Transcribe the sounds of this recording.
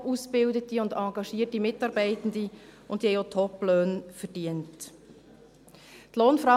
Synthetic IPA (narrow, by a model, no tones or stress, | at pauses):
usbɪldətiʊndɑːɡɑʃiətimɪtɑːɾbɛɪtən̩diʊnthɛjotʰɔpløːnfəɾd̥iənt | tloːnfɾɑ